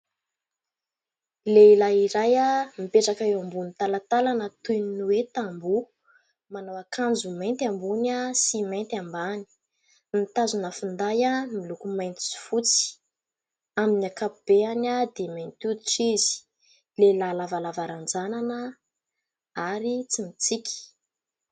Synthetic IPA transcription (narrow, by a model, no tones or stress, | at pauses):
leilaiɾajamipeʈ͡ʂakaewambunt̪alat̪alanət̪ujninuwet̪ambu | manowakʰand͡zumajnt̪ambunasimejnt̪ambani̥ | nit̪azunəfund̪ajamilukumajnt̪i̥si̥fut͡si̥ | aminakapub̥eanad̪emant̪ud̪iʈ͡ʂizi̥ | lelalavalavaɾand͡zananə | aɾit͡simit͡sikʲi̥